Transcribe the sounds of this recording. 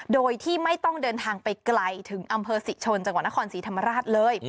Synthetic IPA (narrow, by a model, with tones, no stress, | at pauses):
doː˧jt̪ʰiː˥˩ma˥˩jt̪ɔ˥˩ŋdɤː˧nt̪ʰaː˧ŋpa˧jkla˧jt̪ʰɯ˩˦ŋʔa˧mpʰɤː˧si˨˩t͡ɕʰo˧nt͡ɕa˧ŋwa˨˩t̪̚na˥kʰɔː˧nsiː˩˦t̪ʰa˧mːa˧ɾaː˥˩t̪̚lɤː˧j